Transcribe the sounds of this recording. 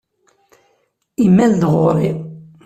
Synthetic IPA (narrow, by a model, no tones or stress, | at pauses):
imːæld̪ʁoɾi